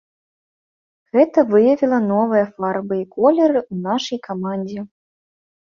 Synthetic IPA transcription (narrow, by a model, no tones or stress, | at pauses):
ɣɛt̪ɐvɨjɐvʲilˠɐnɔvɨjɐfarbɨikɔlʲɛɾɨʔunaʂɐjkamanʲd͡zʲɛ